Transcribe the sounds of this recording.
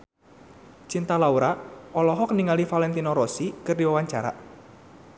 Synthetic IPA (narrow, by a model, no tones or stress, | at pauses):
t͡ʃint̪alauɾaɔlɔɦɔkniŋalifalɛnt̪inɔɾɔsikərdiwawaɲt͡ʃaɾa̰